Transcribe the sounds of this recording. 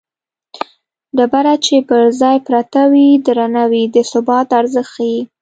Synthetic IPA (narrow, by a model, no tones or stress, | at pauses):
ɖ̪abaɾat͡ʃepəɾzɑjpɾat̪awid̪ɾanawid̪əsʊbɑt̪aɾzəxaji